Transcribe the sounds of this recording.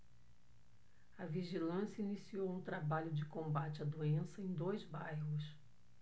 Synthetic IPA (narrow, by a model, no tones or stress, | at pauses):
ɐviʒilɐ̃sjɐinisiowũt̪ɾabaʎʊd͡ʒɪkõbat͡ʃɪɐd̪uẽsɐẽj̃d̪ojzbajɦʊs